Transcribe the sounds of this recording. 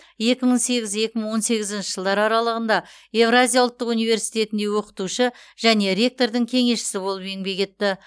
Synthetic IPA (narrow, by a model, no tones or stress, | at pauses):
je̞kʲɪməɴse̞ɡʲɪzje̞kʲɪməɴwo̞nse̞ɡʲɪzɪnʃəɪ̥ʒəlˠd̪ɑɾɑɾɑlˠəʁənd̪ɑ | e̞vrazijawʊlˠt̪ːəqunijve̞ɾsijt̪ʲe̞t̪ɪnd̪e̞wo̞qə̥t̪uʃɪʒ̥æne̞ɾʲe̞k̚t̪o̞ɾd̪ɪŋkʲʰe̞ŋe̞sʃɪ̥sɪbo̞lˠəpeŋbe̞kʲe̞t̪ːɪ